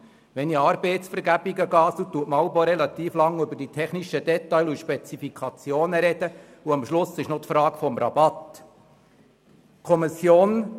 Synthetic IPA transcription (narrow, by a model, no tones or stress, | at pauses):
ʋɛniɑːɾbeɪtsfəɾɡæb̥iɡəɡɑːsut̪ːuətmɑʊboɾɛlɑt̪iːflɑŋːʏbəɾd̥itʰɛχniʃəd̪ɛtːɑɪluʃpɛt͡sifikʰɑt͡sjoːnəɾɛd̥ə | uɑmʃlʊsɪʃnɔt̪fɾɑːkfɔmɾɑ̰bɑt̪ | kʰɔmisjoːn